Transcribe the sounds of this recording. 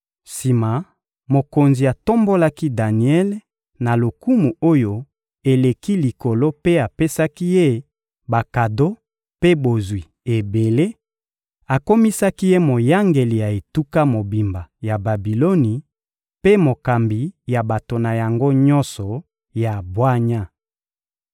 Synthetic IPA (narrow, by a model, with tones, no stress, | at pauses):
si˨ma˨ | mo˨ko˨nzi˨a˨to˦mbo˦la˦ki˦da˨ni˨ɛ˦l | na˨lo˨ku˦mu˨o˦jo˦ | e˨le˨ki˦li˨ko˨lo˦pe˦a˨pe˦sa˦ki˦je˦ | ba˨ka˨do˦ | pe˦bo˨zwi˨ | e˨be˨le˦ | a˨ko˦mi˦sa˦ki˦je˦mo˨ja˦ŋɡe˨li˨ja˨e˨tu˦ka˦mo˨bi˨mba˨ja˨ba˨bi˨lo˦ni˨ | pe˦mo˨ka˨mbi˨ja˨ba˨to˨na˨ja˨ŋɡo˦ɲɔ˦nsɔ˨ | ja˨bwa˦ɲa˦